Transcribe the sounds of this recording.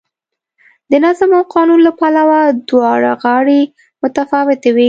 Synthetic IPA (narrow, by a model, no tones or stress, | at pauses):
d̪ənazamawqɑnunlapalawad̪wɑɽa̰ɣɑɽe | mʊt̪afɑwɪt̪awi